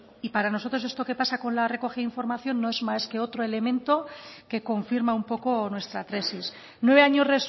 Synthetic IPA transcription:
ipaɾano̞so̞t̪ɾo̞s̬e̞st̪o̞ke̞pasako̞nlare̞ko̞xiðaiɱfo̞ɾmaθjo̞nːo̞e̞zmaske̞o̞t̪ɾo̞e̞le̞mẽ̞nt̪o̞ke̞ko̞ɱfiɾmaumpo̞ko̞nwe̞st̪ɾat̪ɾe̞sis | nwee̞aɲo̞zre̞s

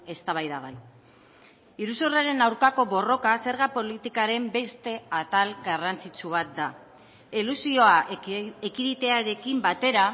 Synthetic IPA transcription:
e̞st̪aβ̞ajðaɣaj | iɾusoreaɾe̞nawɾkako̞βo̞ro̞kase̞ɾɣapo̞lit̪ikaɾe̞mbe̞st̪e̞at̪alɡarant͡sit͡ʃuβ̞at̪̚d̪a | ilusio̞aekiðit̪e̞aɾe̞kimbat̪e̞ɾa

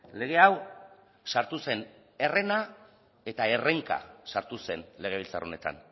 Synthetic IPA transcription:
le̞ɣ̞e̞aw | saɾt̪use̞n | e̞re̞na | e̞t̪ae̞re̞ŋka̰saɾt̪use̞nle̞ɣ̞e̞βilt͡sa̰ro̞ne̞t̪a̰n

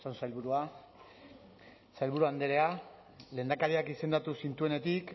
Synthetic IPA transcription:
sansajlβuɾua | sajlβuɾuand̪eɾe̞a | le̞ːnd̪akaɾiakise̞nd̪at̪usint̪uene̞t̪ik

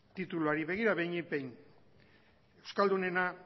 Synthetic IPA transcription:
t̪it̪uluaɾiβe̞ɣ̞iɾaβejɲipejn | e̞wskald̪une̞na

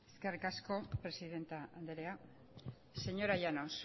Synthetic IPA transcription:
eskerikasko̞pɾe̞siðe̞nt̪aand̪eɾea | se̞ɲo̞ɾajanos

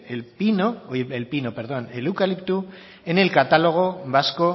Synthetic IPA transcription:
elpinooeelpinopeɾðo̞nelukalipt̪u | ene̞lkat̪alo̞ɣ̞o̞βasko̞

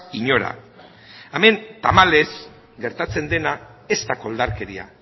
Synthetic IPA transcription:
iɲo̞ɾa̰ | ame̞nt̪amale̞z | ɡe̞ɾt̪at͡se̞nd̪e̞nae̞st̪ako̞ld̪aɾke̞ɾia̰

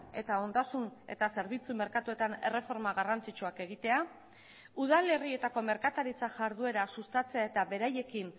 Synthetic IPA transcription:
e̞t̪ao̞nd̪asune̞̰t̪ase̞ɾβit͡sume̞ɾkat̪ue̞t̪ane̞̰re̞fo̞ɾmaɣarant͡sit͡ʃuake̞ɣ̞it̪e̞a | uðale̞rie̞t̪ako̞me̞ɾkat̪aɾit͡saʝaɾð̞ue̞ɾasust̪at͡se̞ae̞t̪aβe̞ɾaje̞kin

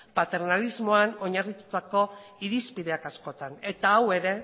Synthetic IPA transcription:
pat̪e̞ɾnalizmo̞ano̞ɲarit̪ut̪ako̞iɾispiðe̞akasko̞t̪ane̞t̪aːwe̞ɾe̞

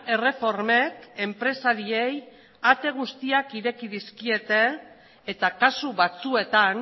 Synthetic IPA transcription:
e̞re̞fo̞ɾme̞ke̞mpɾe̞saɾiej | at̪e̞ɣ̞ust̪iakiɾe̞kiðiskie̞t̪e̞ː | t̪akasuβat͡sue̞t̪an

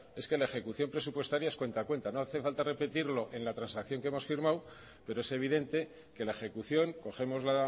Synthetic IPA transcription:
e̞ske̞laexe̞kuθjo̞mpɾe̞supwe̞st̪aɾjaeskwe̞nt̪akwe̞nt̪ano̞aθe̞falt̪are̞pe̞t̪iɾlo̞ʔe̞nlat̪ɾansakθjo̞ŋkeemo̞sfiɾmaw | pe̞ɾo̞e̞seβ̞iðe̞nt̪e̞ | ke̞laexe̞kuθjo̞ŋko̞xe̞mo̞zla

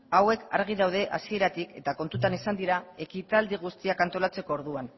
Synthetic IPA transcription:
awe̞ka̰ɾɣ̞iðawð̞e̞ʔa̰sie̞ɾat̪ike̞t̪ako̞nt̪ut̪anisand̪iɾae̞kit̪ald̪iɣ̞ust̪iakant̪o̞lat͡se̞ko̞ːɾðuan

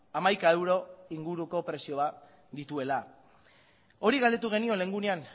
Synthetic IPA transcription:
amajkae̞wɾo̞iŋɡuɾuko̞pɾe̞sio̞βat | d̪it̪ue̞la | o̞ɾiɣald̪e̞t̪̬uɣ̞e̞nio̞le̞ŋɡunean

